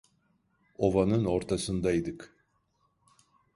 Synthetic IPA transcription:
ovanɯno̞ɾt̪ʰasɯnd̪aid̪ɯk

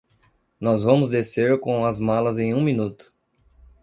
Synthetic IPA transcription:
nɔzvɐ̃mʊzd̪eseɾkõw̃ɐzmalɐzẽj̃ũminut̪ʊ̥

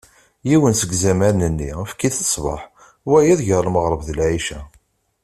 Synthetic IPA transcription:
jiwənsəɡzæmæɾnənːiəfkːiθəsˤvɑ̰ħ | wæjiðʝəɾˤməʁɾˤəvðəlʕiʃæ

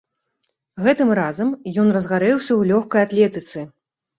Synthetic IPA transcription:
ɣɛt̪ɨmrazɐmjɔnrɐzɣaɾɛwsʲɐwlʲɔxkɐjat̪lʲɛt̪ɨt̪sɨ

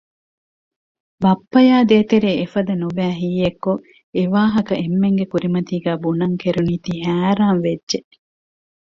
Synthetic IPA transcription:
bɐpːɐjaːd̪eːt̪eɾeːefɐd̪ɐnubæːɦiːekːo | eʋaːɦɐkɐʔemːeŋɡekuɾimɐt̪iːɡæːbunɐŋkeɾuniːt̪iɦæːɾaːnʋedʒe

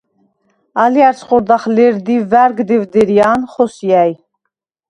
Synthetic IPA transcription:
ɑliaɾsχɔɾd̪aχlɛɾd̪ivæɾɡd̪ivd̪ɛɾijanχɔsjæj

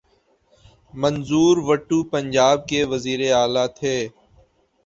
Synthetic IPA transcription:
mənzuːɾʋəʈːuːpəɲd͡ʒaːb̚keːʋəziːɾeːaːlaːt̪ʰeː

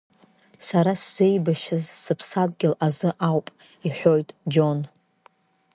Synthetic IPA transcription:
saɾasz̥e̞jbaʃazsɨpʰsadɡʲɪlazɨʔawpʼ | iħʷo̞jtʼd͡ʒo̞n

